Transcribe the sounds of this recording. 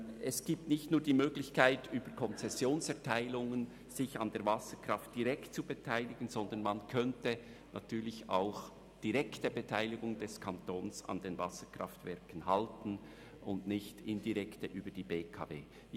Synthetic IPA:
ɛsɡ̥iːp̚tnɪçtnuːɐd̥iːmøːɡlɪçkaɪtyːb̥əɾkʰɔnt͡sɛsjoːnsɛɐtʰaɪlʊŋən | z̥ɪçɑndeːɐvɑsəkʁ̥ɑft̚d̥iʁɛkt̚t͡subetʰaɪlɪɡ̥ən̩z̥ɔndənmɑnkʰœntə | nʔa̰tʰyːɐlɪça̰ʊx | d̥iʁɛktəbetʰaɪlɪɡʊŋd̥ɛskʰɑntoːnsɑ̰ndenvɑsəkʁɑftvɛɐkən̩hɑltn̩ | ʔʊndnɪçtɪndiʁɛktəʔyːbəd̥iːbeːkʰɑ̰ːvḛː

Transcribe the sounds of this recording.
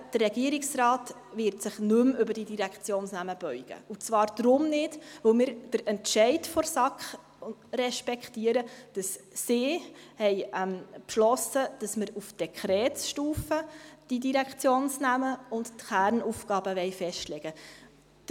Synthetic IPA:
d̥ərːɛɡiəɾiksrɑːt | ʋɪɾtsɪχnɵmʏbəɾd̥idiɾækχt͡sjoːnsnæməb̥œʏɡ̥ə̰ut͡sʋɑːɾd̥ɾʊmnɪdʋɵwmɪːɾd̥əɾɛntʃɛɪtfɔɾsɑkχ | ɾɛʃpɛkχtiəɾəd̥ɑssɪːhɛjɛmpʃlɔsəd̥ɑsməɾufd̥ɛkʰχɾɛːtsʃtuːfəd̥idiɾækt͡sjoːnsnæməʊnttχæɾnufɡɑːbəʋɛɪfɛʃtlɛɡ̥ə̥

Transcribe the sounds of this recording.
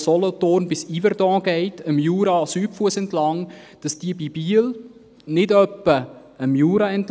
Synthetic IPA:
sɔlɔtonbɪsivəɾdɑ̃ːɡ̥ɛɪtəmjuːɾɑsyːpfuəsɛntlɑŋd̥ɑsd̥iəbibiəl | nɪdœpːə | əmjuːɾɑɛnt

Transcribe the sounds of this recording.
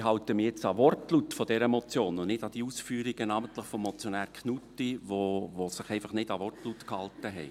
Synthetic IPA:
ɦɑʊt̪əmijɛt͡sɑʋɔrtlut̪fɔd̥ɛɾəmɔt͡sjoːnʊnɪd̥ɑd̥iuːsfyːɾiɡ̥ənɑːmənt̪ləχfɔmːɔt͡sjɔnæːɾkʰnutiʋovosɪχɛɪfɑχnɪdɑʋɔrtlut̪khɑlt̪əɦɛɪ

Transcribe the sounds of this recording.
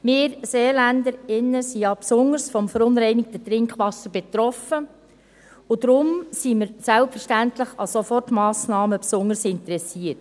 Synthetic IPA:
mɪːɾseːlændəɾɪnːəsijɑpsʊŋəɾsfɔmfəɾʊnɾɛɪnɪk̚tət̪ɾɪŋkχʋɑsːəɾb̥et̪ɾɔfə | ʊd̪ɾʊmsimɪɾsælpfəɾʃtæntləχɑsofɔrtmɑːsnɑːməpsʊŋəɾsɪntəɾɛsiːət

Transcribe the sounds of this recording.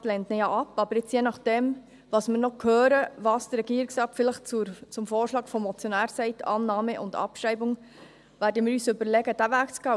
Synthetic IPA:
tlɛntnɛjɑʔɑpːɑb̥əɾjɪt͡sjenɑχd̥ɛm | ʋɑːsmɪːɾnɔkʰhøːɾəʋɑːsd̥ərɛɡ̥iːɾiksɑːpfɪləχt͡sut͡sʊmfoːɾʃlɑːɡfɔmːɔt͡sjɔnæːɾsɛɪtʰɑːnːɑːməʔʊndɑ̰pʃɾɛɪbʊŋ | ʋæːɾdəmɪːɾyːsʏbəɾlɛɡəd̥ævæːkt͡sɡ̥ɑ

